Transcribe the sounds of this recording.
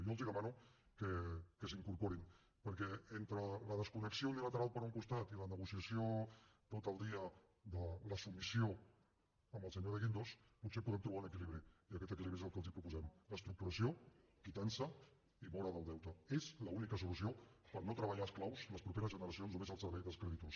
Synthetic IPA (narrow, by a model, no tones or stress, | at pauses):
joəlˠziðəmanukəkəsiŋkuɾpoɾin | pəɾkɛent̪ɾələðəskunəksiounilət̪əɾalˠpəɾuŋkust̪at̪ilənəɣusiəsiot̪ot̪əlˠd̪iə | ðələsumisio | əməlˠsəɲoðəɣind̪osput̪sepuðɛmt̪ɾuβaunəkiliβɾiiəkɛt̪ək̬iliβɾiezəlˠkəlˠzipɾupuzɛmləst̪ɾuk̚t̪uɾəsiokit̪ansə | iβɔɾəðəlˠd̪ɛwt̪əezləunikəsulusiopəɾnot̪ɾəβ̞əʎasklawzləspɾupeɾəzʒənəɾəsionznumezəlˠsəɾβɛjðəlˠskɾɛðit̪os